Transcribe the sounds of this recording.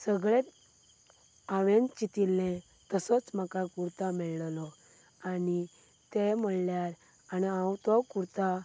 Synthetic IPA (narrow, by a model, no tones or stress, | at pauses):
səɡɭe | aʋẽnt͡ɕit̪ilːɛ̃ | t̪əsɔt͡sm̤akakuɾt̪amɛɭllɔ | ani | t̪em̤əɭljaɾ | aniãwt̪ɔkuɾt̪a